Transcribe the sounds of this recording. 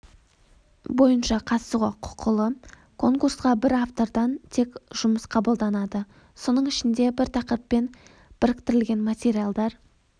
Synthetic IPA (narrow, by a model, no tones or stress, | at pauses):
bo̞jənʃɑqʰɑt̪suʁɑqʰʊ̥qʰəlˠə | kʰo̞ŋkursqɑbɪɾaft̪o̞ɾd̪ɑnt̪ʰe̞kʒ̥ʊməsqʰɑbəlˠd̪ɑnɑd̪ə | so̞nəɴɪʃɪnd̪e̞bɪɾt̪ʰɑqɾəpːe̞n | b̥ɪɾɪk̚ʲt̪ɪɾɪlɡʲe̞nmat̪ʲe̞ɾʲialˠd̪ɑɾ